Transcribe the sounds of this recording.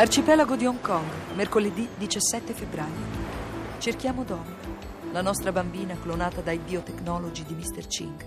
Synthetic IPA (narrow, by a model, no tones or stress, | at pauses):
lart͡ʃipɛlaɡod̪ioŋkɔŋɡmerkoled̪id̪it͡ʃasːɛt̪ːefebːɾaːjo | t͡ʃerkjaːmod̪ɔn | lanɔst̪ɾabambiːnaklonaːt̪ad̪ajd̪iot̪eknɔːlod͡ʒid̪imist̪ert͡ʃḭŋk